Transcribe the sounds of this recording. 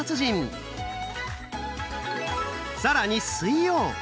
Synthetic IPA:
at͡sɨʑĩm | saɾaɲisɨijoː

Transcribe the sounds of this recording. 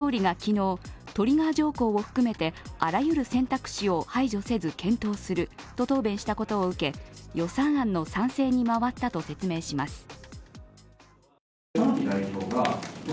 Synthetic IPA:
oːɾʲiɡakʲino̞ːt̪o̞ɾʲiɡaːd͡ʑo̞ːko̞ːoɸɯ̟̥kɯ̟me̞t̪e̞aɾajɯ̟ɾɯ̟sẽ̞nt̪akɯ̟̥ɕio̞haiʑo̞se̞zɨkẽ̞nt̪o̞ːsɨɾɯ̟t̪o̞t̪o̞ːbẽ̞ɰ̃ɕi̥t̪ako̞t̪o̞ːɯ̟ke̞jo̞sãɰ̃ãnːo̞sãɰ̃se̞ːɲ̟imaβat̪ːat̪o̞se̞t͡sɨme̞ːɕimasɨ̥ | aɲʲid̪aiɕoːɡa

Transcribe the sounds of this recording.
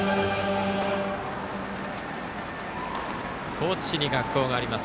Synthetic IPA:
kʰo̞ːt͡sɨ̥ɕiɲ̟iɡakːo̞ːɡaːɾʲimas

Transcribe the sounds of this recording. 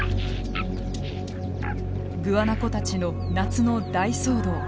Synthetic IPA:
ɡɯ̟βanako̞t̪at͡ɕino̞ | nat͡sɨno̞d̪aisoːd̪o̞ː

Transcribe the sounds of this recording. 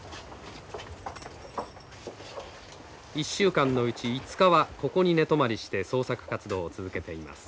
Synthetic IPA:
iɕːɨːkãnːo̞ɯ̟t͡ɕiːt͡sɨ̥kaβako̞ko̞ɲ̟ine̞t̪o̞maɾʲiɕi̥t̪e̞so̞ːsakɯ̟̥kat͡sɨd̪o̞ːt͡sɨzɨke̞t̪e̞ima̰sɨ̥

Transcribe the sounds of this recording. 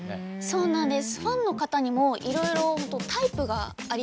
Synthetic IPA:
so̞ːnãnd̪e̞sɨ̥ɸãnːo̞kat̪aɲ̟imo̞ʔiɾo̞iɾo̞hot̪ot̪aipɯ̟ɡaː | ɾʲ

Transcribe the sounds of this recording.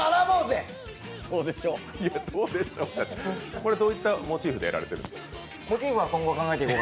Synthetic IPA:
anamoːze | d̪o̞ːd̪e̞ɕo̞ː | jad̪oːd̪eɕoːakoɾe̞d̪oːit̪ːamo̞t͡ɕiːɸɯd̪e̞jaɾa̰ɾe̞t̪eɾɯ̟̰̃nd̪esk | mo̞t͡ɕiːɸɯ̟βakõ̞ŋɡo̞kãŋɡaet̪eiko

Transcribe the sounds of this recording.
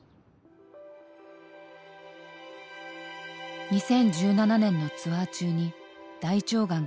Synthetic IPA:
ɲ̟isẽ̞ɲ̟d͡ʑɨːnananẽ̞nːo̞t͡sɨβat͡ɕɨːɲ̟i | d̪̥ait͡ɕo̞ːɡãŋ

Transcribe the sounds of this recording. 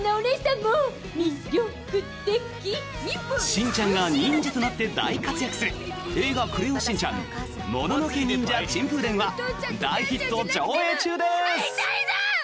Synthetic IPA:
naoneɕt̪aŋɡo | mʲiɾʲokɯt̪ekʲi | ɕĩɲ̟t͡ɕãŋɡaɲ̟ĩɲd͡ʑit̪o̞nat̪ːe̞d̪a̰ikat͡sɨjakɯ̟̥sɨɾɯ̟e̞ːɡakɯ̟ɾɯõɕĩɲt͡ɕã̰ŋ | mo̞̰no̞no̞kʲeɲ̟ĩɲ̟d͡ʑat͡ɕĩmpɯd̪ẽɰ̃βad̪aiçit̪ːo̞t͡ɕoːe̞ːt͡ɕɨːd̪e̞s

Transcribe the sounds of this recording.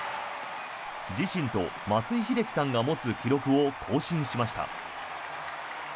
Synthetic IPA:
d͡ʑiɕĩnt̪o̞̰ | mat͡sɨiçid̪e̞kʲi̥sãŋɡamo̞t͡sɨkʲiɾo̞kɯ̟o̞kʰo̞ːɕĩɰ̃ɕimaɕi̥t̪a̰

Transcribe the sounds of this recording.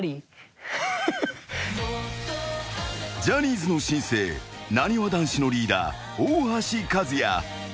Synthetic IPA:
ɾʲi | d͡ʑaɲ̟ʲiːzɨno̞ɕĩɰ̃se̞̰ːnaɲ̟iβad̪ãɰ̃ɕino̞ɾʲiːd̪a̰ː | oːhaɕikazɨja̰

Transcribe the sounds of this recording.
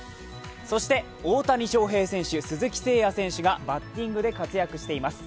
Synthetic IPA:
so̞ɕi̥t̪e̞ | oːt̪aɲ̟ʲiɕo̞ːɦe̞ːsẽ̞ɰ̃ɕɨsɨzɨkʲi̥se̞ːjasẽ̞ɰ̃ɕɨɡabat̪ʲːĩŋɡɯ̟d̪e̞kat͡sɨjakɯ̟ɕi̥t̪eimasɨ̥

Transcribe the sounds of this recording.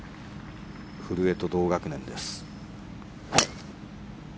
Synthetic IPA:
ɸɯ̟ɾɯ̟e̞t̪o̞d̪o̞ːɡakɯ̟nẽ̞nd̪e̞sɨ̥

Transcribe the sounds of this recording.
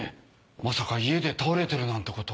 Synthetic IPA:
masakaie̞d̪e̞t̪aoɾe̞t̪eɾɯ̟nãnt̪e̞ko̞t̪o

